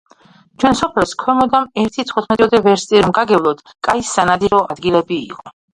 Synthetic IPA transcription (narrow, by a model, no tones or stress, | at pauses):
t͡ʃʰwɛnsɔpʰɛlˠskʰwɛmɔd̪amɛɾt̪ʰit̪sʰχut̪ʰmɛt̪ʼiɔd̪ɛvɛɾst̪ʼiɾmɡaɡɛvlˠɔd̪̥ | kʼaisːanad̪iɾɔad̪ɡilɛbḭːqʼɔ